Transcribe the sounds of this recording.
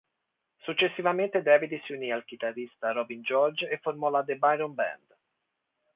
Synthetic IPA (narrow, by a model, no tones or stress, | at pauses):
sut͡ʃːesːivament̪ed̪ɛːvid̪siuniːalk̟it̪arːist̪aɾɔbind͡ʒɔrd͡ʒefːormɔlad̪ebajɾɔnbɛ̰nd̪